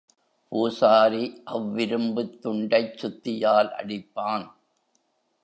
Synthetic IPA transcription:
puːsaːɾiʔɐʋːɪɾɯmbɯt̪ːʊɳɖɐɪt͡ʃsʊt̪ːɪjaːlʔɐ̰ɽɪpːaːn

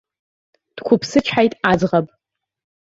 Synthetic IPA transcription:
d̥kʷʰʊpʰsɨt͡ʃʷʰħajtʼad͡zʁapʼ

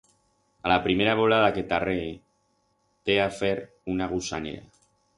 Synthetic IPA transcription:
alapɾimeɾaβolað̞aket̪are | t̪eafeɾ | unaɣusa̰nḛɾa̰

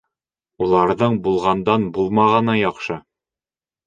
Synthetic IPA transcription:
ulˠɑɾðɤɴbulˠʁɑnd̪ɑnbulˠmɑʁɑnɑjɒqʃɤ

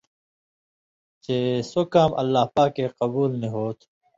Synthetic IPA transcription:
t͡ʃesokaːmʔɐ̰lːaːhpaːkːeqɐbuːlniɦoːt̪ʰ

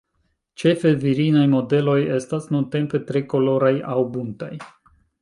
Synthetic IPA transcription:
t͡ʃefeviɾinajmod̪elojest̪asnunt̪empet̪ɾekoloɾajawbunt̪ej

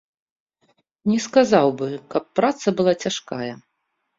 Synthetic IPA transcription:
nʲɛskazawbɨkɐpːɾat̪sɐbɨlˠat͡sʲaʂka̰jɐ

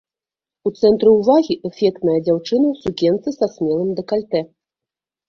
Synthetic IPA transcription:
ut̪sɛnt̪ɾɨwvaɣʲiʔɛfʲɛk̚t̪nɐjɐd͡zʲawt͡ʂɨnɐwsukʲɛnt̪sɨsasʲmʲɛlˠɨmd̪ɐkalʲt̪ɛ

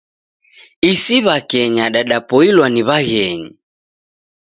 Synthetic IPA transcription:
isiβakɛɲaɗaɗapɔilwaniβaɣɛɲḭ

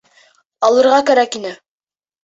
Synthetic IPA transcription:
ɑlˠɤ̆ɾʁɑkæɾækinɘ

